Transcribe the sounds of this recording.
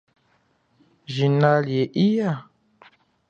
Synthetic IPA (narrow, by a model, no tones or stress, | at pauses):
ʒinaljeʔija